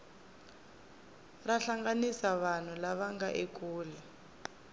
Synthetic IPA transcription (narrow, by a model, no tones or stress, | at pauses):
raɬaŋɡanisaβan̤ulaβaŋɡaʔekuːlɛ